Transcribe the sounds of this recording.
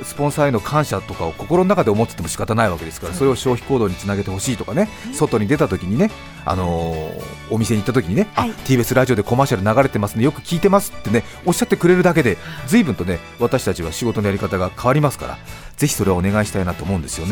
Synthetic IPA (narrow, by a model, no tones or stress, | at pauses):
sɨ̥põ̞ɰ̃saeno̞kʰãɰ̃ɕat̪o̞kao̞ko̞ko̞ɾo̞nonakad̪e̞omo̞t͡sɨ̥t̪ːe̞mo̞ɕi̥kat̪anaiβake̞d̪e̞sɨ̥kaɾaso̞ɾe̞o̞ɕo̞ːçi̥ko̞ːd̪o̞ːɲ̟it͡sɨnaɡe̞e̞ho̞ɕiːt̪o̞kane̞so̞t̪o̞ɲ̟id̪e̞t̪at̪o̞kʲiɲ̟ine̞ | a̰no̞ː | mʲise̞ɲ̟it̪ːat̪okʲiɲ̟ine̞at̪ʲiːbe̞sɨɾaʑio̞d̪eko̞maːɕaɾɯ̟naɡaɾe̞t̪e̞masɨnejo̞kɯ̟̥kʲiːt̪e̞masɨ̥t̪ːe̞ne̞ | o̞ɕːat̪ːe̞kɯ̟ɾe̞ɾɯ̟d̪ak̬e̞d̪e̞d͡zɨiːbɯ̟nt̪o̞ne̞ | βat̪aɕi̥t̪at͡ɕiβaɕiɡo̞t̪o̞no̞jaɾikat̪aɡakʰaβaɾʲimasɨ̥ka̰ɾa̰ | zeçʲi̥so̞ɾe̞βaone̞ɡaiɕi̥t̪ainat̪oːmo̞ɯ̃nd̪e̞sɨjo̞ne